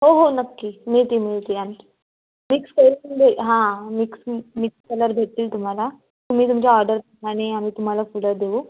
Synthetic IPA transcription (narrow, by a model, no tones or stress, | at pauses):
ɦoɦonəkːiːmiɭt̪iːmiɭt̪iːan | mikskəlɾnd̪eɦãmiksmikskələɾbʱeʈt̪ːiːlt̪um̤ala | t̪um̤ĩːt̪̬umt͡ɕjaɔɾɖəɾpəkaɽ̃eamiːt̪um̤alafuləɾd̪eʋuː